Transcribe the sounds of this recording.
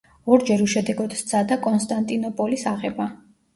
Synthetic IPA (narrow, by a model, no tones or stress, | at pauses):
ɔɾd͡ʒɛɾuʃɛd̪ɛɡɔd̪st̪sʰad̪akʼɔnst̪ʼant̪ʼinɔpʼɔlisaʁɛba